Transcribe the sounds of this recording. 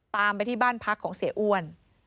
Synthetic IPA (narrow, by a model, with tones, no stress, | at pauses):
t̪aː˧mpa˧jt̪ʰiː˥˩baː˥˩npʰa˦˥kʰːɔː˩˦ŋsi˨˩˦ʔu˧ən